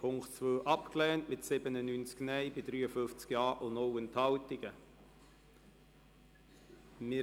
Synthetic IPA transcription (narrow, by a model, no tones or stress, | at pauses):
pʰʊŋktt͡svøːʔɑpklɛːntmɪtsɪbənənynt͡sknɛɪbɪdɾyːəfʏft͡skjɑːʔʊnoʊənthɑltɪɡ̥ə | mɪ